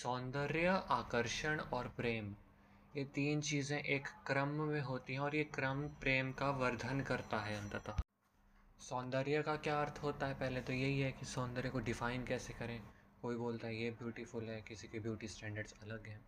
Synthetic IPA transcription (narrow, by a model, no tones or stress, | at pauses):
sɔːnd̪əɾjəʔaːkəɾʃəɽ̃ɔːɾpɾeːm | jet̪iːnt͡ʃiːzẽʔeːkːɾəmːẽɦoːt̪iɦɛ̃ɔːɾjekɾəmpɾeːmkaʋɐɾd̪ʱənkɐɾt̪aɦɛɐ̃nt̪ət̪a | sɔ̃ːnd̪əɾjəkakjaːɐɾt̪ʰɦoːt̪aɦɛpɛɦlet̪ojɐɦiɦɛkisɔ̃ːnd̪əɾjəkoɖɪfaːɪnkɛːsekɐɾẽː | koːiboːlt̪aɦɛjebjuːʈifʊlɦɛkɪsikebjuːʈisʈɛ̃ːɳɖəɾɖzɐləɡɦɛ̃ː